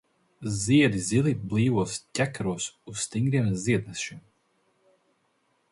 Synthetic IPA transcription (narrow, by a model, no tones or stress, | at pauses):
ziɛd̪iziliblˠiːvuɔstʲækɾuɔsusst̪iŋɡɾiɛmziɛd̪̚nɛʃʃim